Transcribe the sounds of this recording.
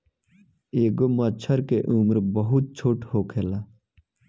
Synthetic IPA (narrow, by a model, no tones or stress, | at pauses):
eːɡomɐt͡ɕʰɐɾkeʔumɾbɐɦut̪̚t͡ɕʰoːʈhoːkʰela